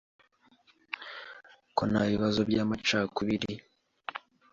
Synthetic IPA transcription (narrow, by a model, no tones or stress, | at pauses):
konaβiβazo̞bɟaːmat͡ʃaːkuβiɾi